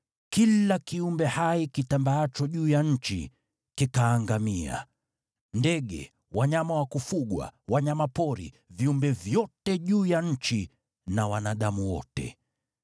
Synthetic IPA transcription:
kilakiumbɛhaikitambaat͡ʃɔʄuːjaɲ̩t͡ʃḭ | kikaːŋɡamia̰ | ndɛɠɛ̰ | waɲamawakufuɠwa̰waɲamapɔɾḭ | viumbɛvjɔtɛʄuːjaɲ̩t͡ʃi | nawanaɗamuwɔ̰tɛ̰

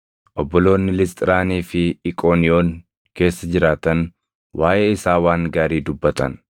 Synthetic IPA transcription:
ʔɔbːɔlo̞ːnːɪlɪst̪ʼɪɾaːniːfɪːkʼo̞ːnɪo̞ːŋ | ke̞ːsːɐd͡ʒɪɾaːt̪ɐn | wʔaːʔeɪsaːwaːŋɡaːɾiːd̪ʊbːɐt̪ɐ̰n

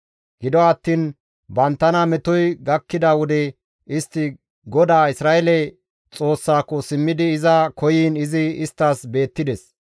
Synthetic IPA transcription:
ɡ̥ɪd̪ɔɐt̪ːiːn | bɐnt̪ːɐnɐmɛt̪ɔjɡɐkːɪd̪ɐwɔd̪ɛ | ɪst̪ːɪ | ɡɔd̪aːɪsɾaːʔɛlɛ | t͡sʼo̞ːsːaːkːɔsɪmːɪd̪ɪːzɐkʰɔjiːnɪzɪɪst̪ːaːsbe̞ːt̪ːɪd̪ɛs

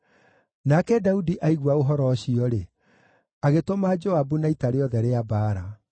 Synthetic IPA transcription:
nakɛdaudiʔaiɣwaoɦɔɾɔɕiɔɾe | aɣetomad͡ʒoabunaitaɾeɔðɛɾeabaːɾa

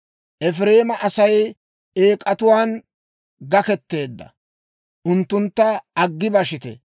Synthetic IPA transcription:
ʔɛfɾe̞ːmɐʔɐsɐj | e̞ːkʼɐt̪ʊwaːn | ɡɐkɛt̪ːe̞ːd̪ːɐ̰ | ʔʊnt̪ːʊnt̪ːɐɐɡːɪbɐʃɪt̪ɛ̰

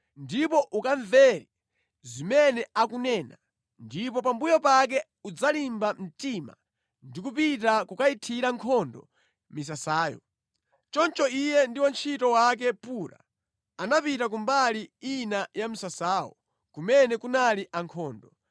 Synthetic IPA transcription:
ndipɔʔukaɱvɛɾi | zimɛnɛakunɛːna | ndip̬ɔpambujɔpak̬ɛ | ud͡zalimbam̩tima | ndik̬upitakukaitʰiɾaŋkʰɔndɔ | mis̬asaːjɔ̰ | t͡ʃɔnt͡ʃɔijɛndiwant͡ʃʰitɔwak̬ɛpuɾa̰ | anapitak̬umbaliinajam̩sasaːwɔ̰ | kumɛnɛkunaliʔaŋkʰɔːndɔ

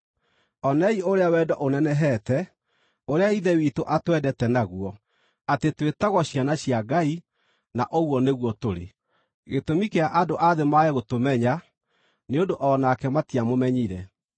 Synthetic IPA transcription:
ɔnɛioɾeawɛdɔʔonɛnɛɦɛtɛ | oɾeaiðɛwitoʔatwɛdɛtɛnaɣwɔ | atetwetaɣwɔɕjanaɕiaɡai | naʔoɣwɔneɣwɔtoɾḛ | ɣetomikeaʔadoʔaðemaɛɣotomɛɲa | neondoʔɔnakɛmatiamomɛɲiɾɛ

